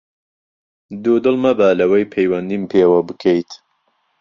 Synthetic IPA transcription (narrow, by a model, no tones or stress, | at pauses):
d̪ud̪ɨlmɐbaːlɐwɐjpʰejwɐnd̪iːmpʰeːwɐbɨkʰejt̪